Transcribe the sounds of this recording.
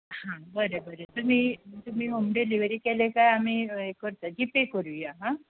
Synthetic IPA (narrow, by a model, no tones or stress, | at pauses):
hãbəɾəbəɾət̪umiːt̪um̤iːɦomɖeliʋɾiːkelekajamiːekəɾt̪ad͡ʑipekəɾuːjaɦã